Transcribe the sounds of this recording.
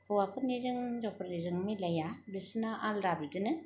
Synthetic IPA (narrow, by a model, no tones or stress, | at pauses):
ɔwapɯniɾɯŋzɔpɯɾniɾɯŋmilajabisnaʔalɾabidɯnɯ